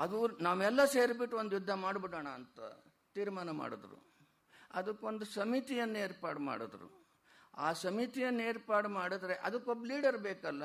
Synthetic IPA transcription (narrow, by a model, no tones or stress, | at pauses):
ɐd̪unaːʋɛlːɐseːɾbiʈːuod̪jud̪ʱːɐmaːɖbiɽɐːɳɐːnt̪ɐ̰ | t̪iːɾmaːnɐma̰ːɽod̪ɾṵ | ɐd̪ɐkːuo̞nd̪usɐmit̪ijɐnːɐeːɾpaːɾʈma̰ːɽod̪ɾṵ | aːsɐmit̪ijɐnːeːɾpaːɾʈmaːɽid̪ɾeʔɐd̪ɐkːobɐliːɖɐɾbeːkɐlːɐ